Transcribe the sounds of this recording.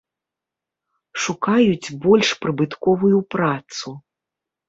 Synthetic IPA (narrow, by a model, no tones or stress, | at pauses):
ʂukajut͡sʲbɔlʲʂpɾɨbɨt̪kɔvujupɾat̪su